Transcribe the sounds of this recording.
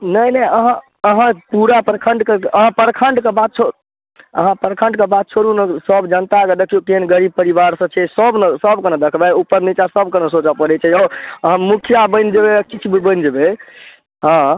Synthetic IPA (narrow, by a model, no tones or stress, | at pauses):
nəjnəəɦã | əɦãpuɾapəɾkʰə̃ɳɖkeəɦãpəɾkʰəɳɖkebad̪̚t͡ʃʰo | əɦãpəɾkʰə̃ɳɖkebad̪̚t͡ʃʰoɾunesəbd͡ʒənt̪akəd̪əkʰijokeɦənɡəɾib̚pəɾibaɾsə̃t͡ʃʰɛsəbnəsəbkəned̪əkʰbɛupːəɾnit͡ʃasəbkənəsot͡ʃapəɾɛt͡ʃʰɛɔəɦãmukʰjabə̃nd͡ʒebekit͡ʃʰbibənd͡ʒəbe | ɦã